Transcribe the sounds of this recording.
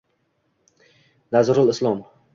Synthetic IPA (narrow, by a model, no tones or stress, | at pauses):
nazɾʊlˠɪslˠɔm